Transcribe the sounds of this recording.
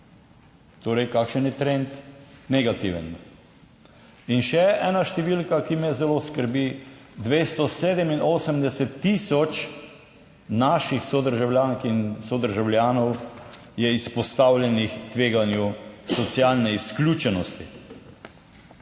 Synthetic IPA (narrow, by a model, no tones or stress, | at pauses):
t̪oːɾɛjkakʃənjɛt̪ɾɛnt̪nɛɡat̪iʋə̰n | inʃɛʔɛːnaʃt̪ɛʋilkakimɛzɛloːskəɾbi | d̪ʋeːst̪ɔseːd̪ɛminoːsəmd̪ɛsɛt̪ːiːsɔt͡ʃ | naʃixsɔd̪əɾʒawljaːŋkinsɔd̪əɾʒawlʲjaːnɔw | jɛispɔst̪awljɛnixt̪ʋeːɡanjusɔt̪sjalnɛisklʲuːt͡ʃɛnɔst̪i